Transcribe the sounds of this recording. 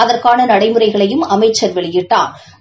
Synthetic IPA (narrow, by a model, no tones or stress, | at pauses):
ɐðɐrkaːnɐnɐɽɐɪmɯɾɐɪɣɐɭɐjɯmɐmɐɪt͡ʃːɐɾʋɛɭɪjɪʈːaːn